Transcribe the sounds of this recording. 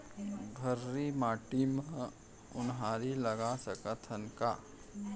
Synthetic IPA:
ɡʱɐɾːimaːʈimə̃ | ʊnɦaːɾilɐɡasɐkət̪ʰənkaː

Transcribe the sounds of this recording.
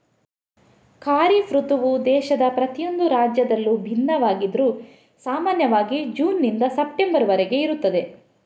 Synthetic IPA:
kaːɾifɾut̪uʋud̪ɛːʃɐd̪ɐpɾɐt̪ijo̞nd̪uɾaːd͡ʒjɐd̪ɐlːubʱinːɐʋaːɡid̪ɾu | saːmaːnjɐʋaːɡid͡ʒuːnːind̪ɐsɐp̚ʈe̞mbɐɾʋɐɾeɡe̞iɾut̪ːɐd̪e

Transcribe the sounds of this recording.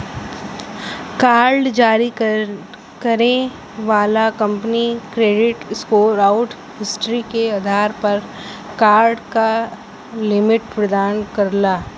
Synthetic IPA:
kaːɾɖd͡ʒaːɾi | kɐɾẽ | ʋaːlakɐ̃mpnikɾeːɖɪʈskoːɾaːʊʈ | ɦɪsʈɾikead̪ʱaːɾpɐɾ | kaːɾɖka | lɪmɪʈpɾɐd̪aːnkɐɾlaː

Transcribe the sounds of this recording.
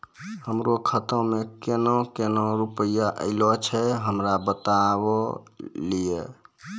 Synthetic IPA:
həmɾokʰət̪ə̃mekenɔ̃kenɔ̃ɾupəjaʔə̰ɪlɔt͡ʃʰɛɦəmɾabət̪abɔlie

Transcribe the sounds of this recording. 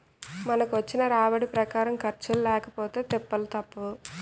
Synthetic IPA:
mɐnɐkuʋɐt͡ʃːinɐɾaːʋɐɽipɾɐkaːɾɐmkɐɾt͡ʃululɛːkɐpoːt̪e̞ːt̪ɛpːɐlut̪ɐpːɐu

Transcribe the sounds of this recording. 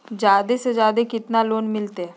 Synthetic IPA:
d͡ʑjaːd̪esed͡ʑjaːd̪ekɪt̪naloːnmɪlt̪e

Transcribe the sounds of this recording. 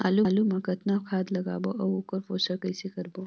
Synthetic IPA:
ma̰ːluːlumãkɐt̪nakʰaːd̪lɐɡa̰ːboʔɐwokəɾfoːsɐkɐjsekɐɾbo

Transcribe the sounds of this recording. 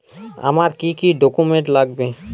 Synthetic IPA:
ɐ̰maɾkikiɖokumẽɳʈlaɡbe

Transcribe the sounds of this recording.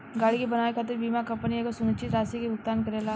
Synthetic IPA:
ɡaːɽikibɐnaːekʰaːt̪̬ɪɾbiːmakɐ̃mpənijekosʊnut͡ʃit̪ɾaːsikeɡʊk̚t̪aːnkɐɾeːlaː

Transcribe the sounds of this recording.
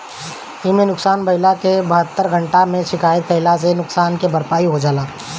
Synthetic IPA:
ɪmẽnʊksaːnbɐɪlakebɐɦət̪ːəɾɡʱə̃ɳʈamẽʃɪkaːjət̪̚pɐɦɪlas̬enʊksaːnkebɐɾpaːiɦod͡ʒaːlaː

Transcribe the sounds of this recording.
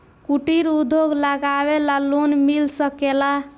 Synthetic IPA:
kuʈiɾud̪ʱːoɡləɡawelalonmilsəkela

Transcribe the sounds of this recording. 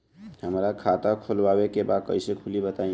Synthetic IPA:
həmɾakʰat̪akʰolwabekebad̪̚kə̰ɪsekʰulibət̪aĩ

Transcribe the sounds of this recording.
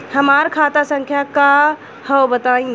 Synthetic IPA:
həmaɾkʰat̪asə̃ŋkʰjaka | həwbət̪aĩ

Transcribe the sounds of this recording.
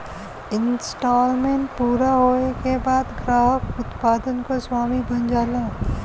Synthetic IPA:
ɪnsʈɔːlmẽːɳʈ̚puːɾaɦoːekebaːd̪ɡɾaːɦəkʊt̪paːd̪ənkoswaːmibənd͡ʒaːlaː

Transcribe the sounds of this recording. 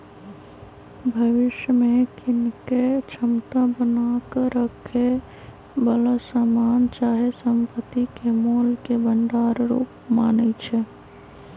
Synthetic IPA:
bʱəʋɪʃjəmekɪnket͡ʃʰəmt̪ãbənakəɾəkʰe | bələsamant͡ʃaɦesəmpət̪ikemolkebəɳɖaɾɾṵpmaːnət͡ʃʰɛ

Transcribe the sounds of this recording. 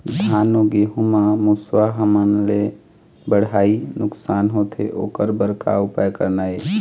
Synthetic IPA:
d̪ʱaːnoɡeɦumamuswaɦəmənle | bəɽ̤aːinʊksaːnɦot̪ʰeʔoːkəɾbəɾka̰ʊpajkəɾnaːe

